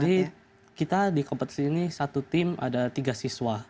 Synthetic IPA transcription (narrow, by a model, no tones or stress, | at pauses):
di | kit̪adikɔmpət̪̚sinisat̪ut̪ɪma̰dat̪iɡasiswa